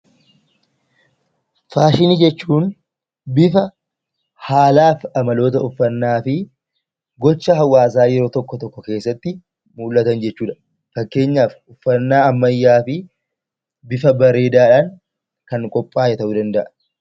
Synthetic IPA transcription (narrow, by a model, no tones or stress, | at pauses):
faːʃɪnid͡ʒɛt͡ʃːuːn | bɪfɐ | haːlaːfɐmɐlo̞ːt̪ɐʊfːɐnːaːfɪ | ɡɔt͡ʃːɐɦɐwːaːs̬aːjɛɾo̞ːt̪ɔkːɔt̪ɔkːɔkeːsːɐt̪ːɪ | muːlːɐt̪ɐnd͡ʒɛt͡ʃːuːᶑɐ̥ | fɐkːe̞ːɲːaːfʊfːɐnːaːɐmːɐjːaːfɪ | bɪfɐbɐɾe̞ːd̪aːᶑaːŋ | kɐŋkʼɔpʼːaːjɛt̪ɐʔuːd̪ɐnd̪ɐʔɐ